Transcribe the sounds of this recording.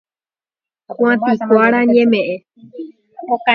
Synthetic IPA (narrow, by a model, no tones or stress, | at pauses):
xwãt̪ɨkʷaɾaɲẽmẽʔẽ | oka